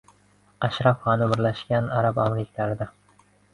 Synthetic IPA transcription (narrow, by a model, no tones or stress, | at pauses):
aʃɾɑfχɑnɪbɪɾlaʃɡʲanaɾabamɾɪkʲʰalaɾɪd̪a